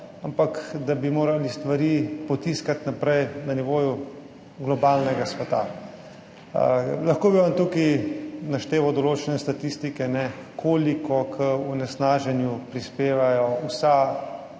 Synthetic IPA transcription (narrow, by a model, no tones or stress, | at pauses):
ampakd̪abimoːɾalist̪ʋaɾiːpɔt̪iskat̪napɾɛjnaniʋoːju | ɡlɔbaːlnɛɡasʋɛt̪a̰ | lɐxkoːbiʋant̪ukinaʃt̪eːʋawd̪ɔloːt͡ʃɛnɛst̪at̪ist̪ikɛnɛkʰoːlikɔkʰəɔnɛsnaːʒɛnjupɾispeːʋajɔwsa